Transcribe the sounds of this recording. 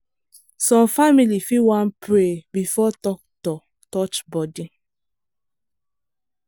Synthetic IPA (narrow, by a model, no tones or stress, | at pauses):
sɔ̃mfamilifiwãnpɹebifɔtɔk̚tɔ | tɔt͡ʃbɔdi